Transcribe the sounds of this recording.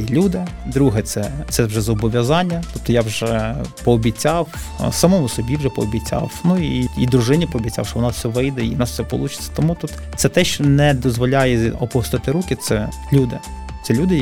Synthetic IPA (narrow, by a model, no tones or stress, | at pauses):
ilʲud̪ɪd̪ɾuɦɛt̪sɛsɛwʒɛzɔbɔʋʲjɐzɑnʲːɐt̪ɔp̚t̪ɔjawʒɛpɔɔbʲit͡sʲɑwsɐmɔmʊsɔbʲiwʒɛpɔɔbʲit͡sʲɑ̰wnuiid̪ɾʊʒɪnʲipɔːbʲit͡sʲɑ̰wʃɔʋɔnɑssɛʋɪjd̪ɛinɑsfsɛpɔ̰lˠut͡ʃɪ̥t͡sʲːɐ̥t̪ɔmut̪ut̪ | t̪sɛt̪ɛʃt͡ʃɔnɛd̪ɔzʋɔlʲajɛɔpɔst̪ɪt̪ɪɾukɪt̪sɛlʲud̪ɪt̪sɛlʲud̪ɪ